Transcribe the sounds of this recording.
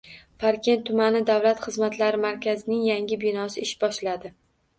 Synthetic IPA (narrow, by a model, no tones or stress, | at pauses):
paɾkʲe̞nt̪ʰːʊmanɪd̪avlat̪χɨzmat̪ʰlaɾɪmaɾkʲʰazɪnɪŋjaŋʲɪbɪnɒsɪɪʃbɒʃlad̪ɪ